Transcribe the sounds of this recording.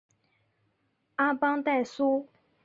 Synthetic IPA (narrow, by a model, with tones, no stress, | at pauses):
a˦pa˦ŋt̪a˥˨ɪsu˦